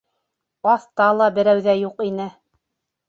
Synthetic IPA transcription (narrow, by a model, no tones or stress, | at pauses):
ɑθt̪ɑlˠɑbɘ̆ɾæwðæjuqinɘ